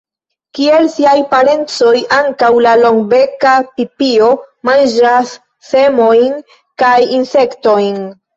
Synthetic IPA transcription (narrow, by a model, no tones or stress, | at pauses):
kie̞lsiajpaɾe̞nt͡so̞jaŋkawlalo̞ŋɡbe̞kapipio̞mand͡ʒɾasː | e̞mo̞jn | kajinse̞kto̞jn